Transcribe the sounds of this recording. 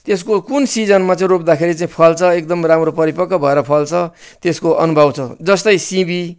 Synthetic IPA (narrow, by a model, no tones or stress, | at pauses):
t̪eskokunsid͡zʌnmat͡saĩrop̚d̪akʰeɾit͡saĩpʰʌlt͡sʰʌek̚d̪ʌmramropʌɾipʌkːʌbʱʌeɾʌpʰʌlt͡sʰʌt̪eskoʌnubʱʌwt͡sʰʌd͡zʌst̪ʌjsĩbi